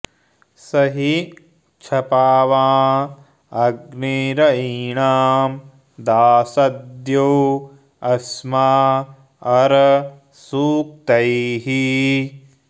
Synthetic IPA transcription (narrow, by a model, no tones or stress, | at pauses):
sɐɦi | t͡ʃʰɐpaːʋaː | ɐɡniɾɐiɳaːm | d̪aːsɐd̪jow | ɐsmaː | ɐɾɐ | suːk̚t̪ɐjɦi